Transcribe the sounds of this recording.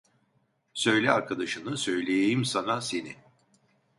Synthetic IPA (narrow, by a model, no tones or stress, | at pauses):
sø̞jlʲɛaɾkʰad̪aʃɯnɯsø̞jlʲe̞jejimsanase̞nɪ